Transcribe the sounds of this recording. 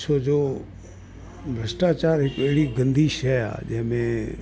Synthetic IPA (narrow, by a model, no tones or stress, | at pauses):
sod͡ʒoː | bʱɾəsʈaːt͡ʃaːɾɦɪkeːɽiɡə̃nd̪ʱiːʃɦɛa̰ːd͡ʒɪɦmẽ